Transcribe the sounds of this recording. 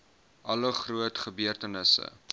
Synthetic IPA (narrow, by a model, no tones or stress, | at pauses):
ʔɐləχruətχəbyərtənəsə̰